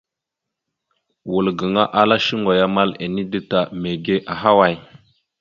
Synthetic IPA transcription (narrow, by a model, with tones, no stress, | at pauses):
wu˨lɡə˨ŋa˦ʔa˦la˦ʃi˦ŋɡo˨ja˦ma˦le˨ni˦də˦ta˨me˨ɡe˦ʔa˨ɦa˦wa˨j